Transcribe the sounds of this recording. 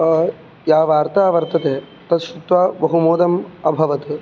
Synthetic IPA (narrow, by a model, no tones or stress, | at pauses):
jaːʋaːɾt̪aːʋɐɾt̪ɐt̪eː | t̪ɐt̪ʃut̪ʋaːbɐɦumoːd̪ɐmɐbʱɐʋɐt̪u